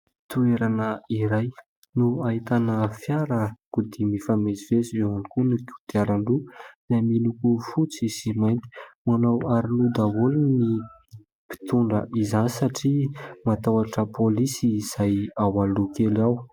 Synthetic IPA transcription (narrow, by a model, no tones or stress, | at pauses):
t̪ueɾanəiɾaj | nuaɦit̪anəfjaɾəkud̪imifamezivezieanikunuku̥d̪̥iaɾaɳluz̥amilukufut͡sisimajnt̪i̥manawaɾilud̪awolni | pi̥t̪uɳɖ͡ʐə̰ʔizanisaʈ͡ʂimat̪awaʈ͡ʂəpolisiːz̥ajawalukelaw